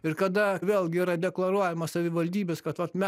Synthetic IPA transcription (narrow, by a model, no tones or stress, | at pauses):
ɪrkɐd̪ɐʋʲeːlˠɡʲɪiːɾɐd̪ʲɛklˠɐɾuɔjɛmɐssɐʋʲɪʋɐlʲd̪ʲiːbʲɛskɐt̪ʋɐt̪mʲɛ